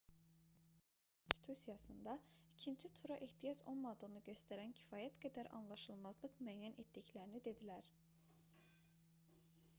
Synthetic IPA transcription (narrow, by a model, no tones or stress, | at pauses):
kʰoonst̪ʰi̥t̪ʰusijɑsɯnd̪ɑicʰint͡ʃʰit̪ʰuɾɑʔiht̪ʰijɑd͡ʒo̞nmɑd̪onɯɟø̞st̪æɾæncʰi̥fɑːjæt̪ɡæd̪æɾʔɑ̰nlˠɑʃɯlˠmɑzlˠɯkmyæjænʔet̪d̪iclæɾinid̪e̞d̪ilæɾ